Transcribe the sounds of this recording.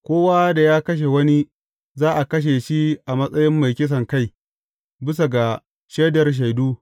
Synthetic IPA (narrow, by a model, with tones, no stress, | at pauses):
kʷoː˦wa˦da˨jaː˦kɐ˦ʃ̬e˨wɐ˦ni˦ | zaː˦ʔa˨kɐ˦ʃ̬e˨ʃi˦ʔa˨mɐ˦sʼɐ˦jɪ˦mːa˨jkʲɪ˦s̬ɐ˨ŋka˦˨j | bɪ˦s̬a˨ɡa˨ | ʃeː˦dɐ˨rʃ̬a˨jduː˦